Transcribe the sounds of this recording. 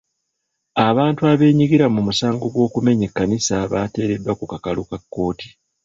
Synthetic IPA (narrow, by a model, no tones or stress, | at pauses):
aβaːntuaβe̞ːɲiɡiɾamumusaːŋɡo̞ɡwo̞ːkume̞ɲe̞kːanisaβate̞ːɾe̞dwakukakalukakːo̞ːti̥